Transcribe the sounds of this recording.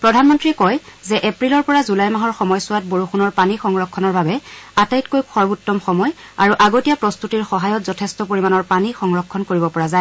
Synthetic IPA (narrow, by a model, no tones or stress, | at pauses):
pɹɔdʱanmɔntɹiɛkɔjzɛʔepɹilɔɹpɔɹazulajmaɦɔɹxɔmɔjsʊwat̚boɹuxunɔɹpanixɔŋɹɔkʰːɔnɔɹbabɛatajtkojkʰɔɹbutːɔmxɔmɔj | a̰ɹuʔaɡotijapɹɔstutiɹxɔɦajɔtzɔtʰɛstɔpoɹimanɔɹpanixɔŋɹɔkʰːɔnkoɹibɔpɔɹazaj